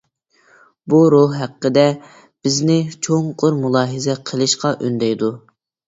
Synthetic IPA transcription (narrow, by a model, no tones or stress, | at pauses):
buɾohɦæqːəd̪ɛ | b̥ɪznɪt͡ʃʰoŋqʰʊɾmulˠɑːɦɨzɛqʰəlˠɨʃqɑʔønd̪ɛjd̪u